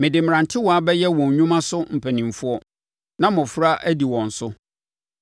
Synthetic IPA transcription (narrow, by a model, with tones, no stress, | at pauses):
mɪ̃˨dɪ˨m̩˨ɾã˨ntʰɪ˦wɔ˨a˦bɛ˦jɛ˦wɔ̃˨ɲ˨ɲũ˦mã˦sʊ˦m̩˨pʰæ˨nĩ˨m˨fʊ˦ɔ˦ | nã˦mʊ̃˨fɾa˦ʔæ˦di˨wɔ̃˨n̩˨sʊ˦